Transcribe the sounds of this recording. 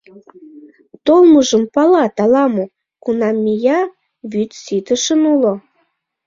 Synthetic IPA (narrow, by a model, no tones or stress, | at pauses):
t̪olməʒəmpɑlɑt̪ɑlɑmu | kunɑmʲːijɑ | βyt̪sit̪əʃənulo